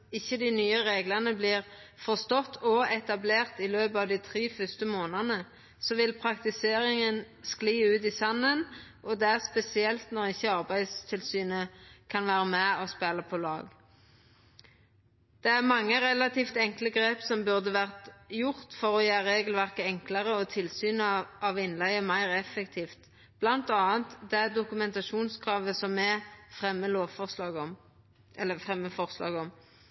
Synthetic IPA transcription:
ɪçːəd̪ɪnyːəʁeːɡləʁnəbliːʁfɔʁst̪ɔt̪ːɔɛt̪ɑbleːʁt̪ɪløːbəɑʋd̪ɪt̪ʰʁiːfʏst̪əmoːnənə | sɔʋɪlpʰʁɑkt̪ɪseːʁɪŋən | skliːʉːt̪isɑnːənʔɔd̪ɛæʁspɛsɪɛlt̪nɔʁɪçːəɑʁbæɪst̪ʰɪlsyːnəkʰɑnʋæːʁəmɛɔspæləpʰɔlɑ̰ːɡ | d̪̥ɛæʁmɑŋːəʁɛlɑt̪ʰiːft̪ɛŋkləɡʁeːpsɔmbʉʁd̪əʋæʁt̪jʊʁt̪fɔʁɔjeːɾeːɡəlʋæʁkəɛŋkləʁəɔt̪ʰɪlsyːnɑʋɪnlæɪəmæɪʁɛfːɛkt̪ʰiːft̪ | b̥lɑnt̪ɑːənt̪d̪ɛæd̪ʊkʉmɛnt̪ɑʃuːnskʰʁɑːʋəsɔmɛfʁɛmːəloːʋfɔsɑːɡ | ʔɛlːəfʁɛmːəfɔʁslɑ̰ːɡɔm

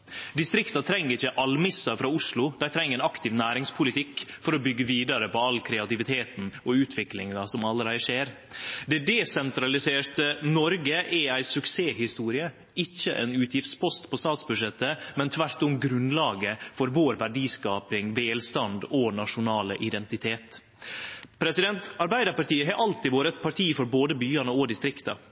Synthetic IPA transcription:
d̪ɪst̪ɾɪkt̪ɑt̪ʰɾɛŋːəɾɪçəʔɑlmɪsːɑfɾɑːʊslʊd̪̥æɪt̪ʰɾɛŋəɛːnɑkt̪ʰɪʋnæːɾɪŋspʰʊlɪt̪ʰɪkːfɔɾɔbʏɡːəʋiːd̪ɑɾəpɔɑlːkʰɾɛɑt̪ɪʋɪt̪ʰeːt̪n̩ɔʉːt̪ʰʋɪklɪŋɑsɔmɑlːəɾæɪʂeːɾ | d̪ɛd̪ɛsɛnt̪ɾɑlɪseːɾt̪ənɔɾɡəʔɛæɪsʉkseːhɪst̪uːɾɪə | ɪçːəʔɛ̰nʉːt̪jɪft̪spʰɔst̪pʰɔst̪ɑːt̪sbʉʂɛt̪ːəmɛnt̪ʰʋæɾt̪ʊmɡɾʉnlɑːɡəfɔɾʋoːɾʋæɖiːskɑːpɪŋʋeːlst̪ɑnd̪ɔnɑʂʊnɑːləʔɪd̪ɛnt̪ɪt̪ʰeːt̪ | pʰɾɛsɪd̪ɛnt̪ɑɾbæɪd̪əɾpɑɾʈ̪iːəɦɑɾʔɑlt̪ɪʋoːɾəɛt̪̚pʰɑʈʰiːfɔɾboːd̪əbyːɑnəɔd̪ɪst̪ɾɪkt̪ɑ̰

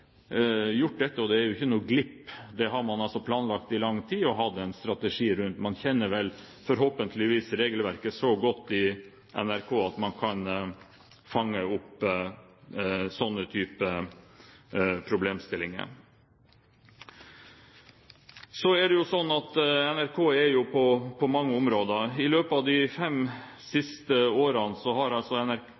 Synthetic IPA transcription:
jʊʈ̚ːd̪ɛt̪ːəɔd̪ɛæɾjʊɪçːənuːɡlɪpːd̪ɛɦɑɾmɑnɑlsɔpʰlɑːnlɑkt̪ɪlɑŋːt̪ʰiːɔɦɑd̪ɛnst̪ɾɑt̪ɛʂiːɾʉnt̪mɑnçɛnːəɾʋɛl | fɔɾɦoːpənt̪ʰlɪʋiːsɾeːɡəlʋæɾkəsɔɡɔt̪ːɪ | ʔɛ̰næɾkʰoːɑt̪mɑnkʰɑn | fɑŋːəʊp | sɔnːət̪ʰyːpə | pʰɾʊbleːmst̪ɪlɪŋə̰ | sɔæɖɛjʊsɔnːɑt̪ɛnæɾkʰoːɛɾjʊpʰɔpʰɔmɑŋːəʊmɾoːd̪əɪløːpəɑʋd̪ɪfɛm | sɪst̪əoːɾɑnsɔhɑɾɑlsɔɛnæɾ

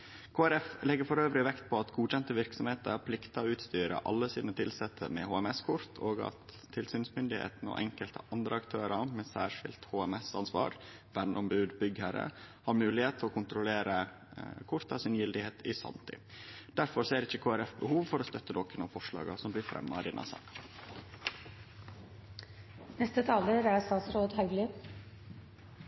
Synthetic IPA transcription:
kʰoːæɾɛflɛɡːəɾfɔɾøːʋɾɪʋɛkt̪̚pʰɔɑt̪ɡuːc͡çɛnt̪əʋɪɾksɔmheːt̪əɾpʰlɪkt̪ɑʉːt̪st̪yːɾə̰ʔɑ̰lːəsiːd̪nət̪ʰɪlsɛt̪ʰːə̰mɛ̰hoːɛmɛskʰʊɾt̪ʰoːɡɑ̰t̪ʰː | ɪlsyːnsmʏnd̪ɪhḛːt̪n̩ɔ̰ʔɛŋkəlt̪ʰəʔɑnd̪ɾəɑkt̪ʰøːɾɑmɛsæːʂɪ̰lt̪hoːɛmɛsɑnsʋɑ̰ːɾʋɛnːʔɔmbʉːd̪bʏɡhəɾə̰hɑɾmʉːlɪheːt̪ʰːɔkʰʊnt̪ɾʊleːɾə | kʰʊɾt̪ʰɑsɪnjɪld̪ɪheːt̪ʰɪsɑ̰nt̪ʰɪ̰ | d̪̥æɾfɔɾseːɾɪçːəkʰoːæɾɛfbəhuːʋfɔɾost̪œt̪ːəd̪ɔkənɑfɔʂɭɑ̰ːɡɑsɔmblɪɾfɾʔɛ̰mːɑ̰ɪd̪ɛnʔɑ̰sɑ̰ːkɑ̥ | nɛst̪ət̪ʰɑːləɾæst̪ɑːt̪sɾoːd̪hœʉɡlɪ

